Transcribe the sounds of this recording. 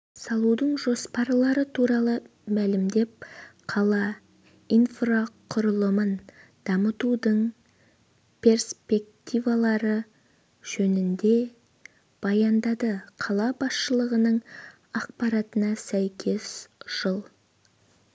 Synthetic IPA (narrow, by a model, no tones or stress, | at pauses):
sɑlˠud̪əɴʒo̞spɑɾlˠɑɾət̪ʰuɾɑlˠəmælɪmd̪e̞p̚qʰɑlˠɑ | ijnfraqʰʊɾəlˠəmənd̪̥ɑmət̪ud̪əɴ | pʰe̞rspe̞k̚t̪ivalˠɑɾə | ʒ̥ɵnɪnd̪e̞ | b̥ɑjɑnd̪ɑd̪əqʰɑlˠɑbɑsʃəlˠəʁənəɴ | ɑq̚pɑɾɑt̪ənɑsæjkʲʰe̞sʒ̥əlˠ